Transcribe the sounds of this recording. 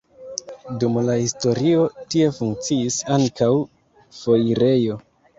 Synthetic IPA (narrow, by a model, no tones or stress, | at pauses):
dumlahisto̞ɾio̞tie̞fuŋk̚t͡siisaŋkaw | fo̞jiɾe̞jo̞